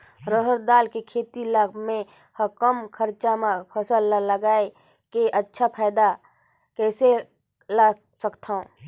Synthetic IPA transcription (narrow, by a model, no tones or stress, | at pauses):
ɾəɦəɾd̪aːlkekʰeːt̪ilaɡmẽ | həkəmkʰəɾt͡ʃamãpʰəsəlːaləɡaːe | keʔətːʃʰapʰaːd̪a | kɛːse | laɡ | səkt̪ʰaõː